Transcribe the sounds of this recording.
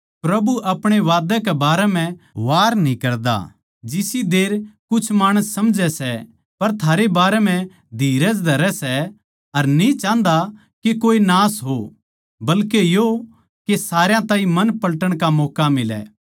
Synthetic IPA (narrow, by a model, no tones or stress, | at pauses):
pɾɐbuʔɐpɽ̃eʋaːd̪ɛ̃kɛbaːɾɛm̤ɛ̃ʋaːɾnĩkɐɾd̪a̰ | d͡ʒɪsid̪eːɾkʊt͡ʃʰmaːɽ̃əsːɐmd͡ʒɛsɛ | pɐɾt̪ʰaːɾebaːɾɛm̤ɛ̃ | d̪ʱiːɾəd͡ʒd̪ʱɐɾɛsɛ | ɐɾnĩt͡ʃãːnd̪a | kekoːinaːsɦo | bɐlkejo | kesaːɾjãt̪ãːĩmɐnpɐlʈəɽ̃kamɔːkamɪlɛ̰ː